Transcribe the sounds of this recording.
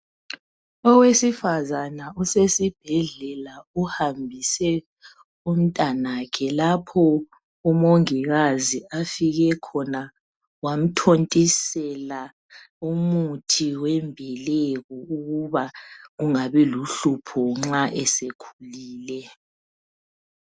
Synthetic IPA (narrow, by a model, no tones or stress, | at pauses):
ɔwesifazanausesib̥ʱɛɮɛlauhambʱisɛ | um̩tʼanakʰɛlapʰɔ | umoŋiɣaziafiɣɛkʰɔna | wam̩tʰontʼisɛla | umutʰiwɛmbʱɛleɣuuɣuβaɣuŋaβiluɬupʰɔŋ͡ǁaʔɛsekʰuliːlɛ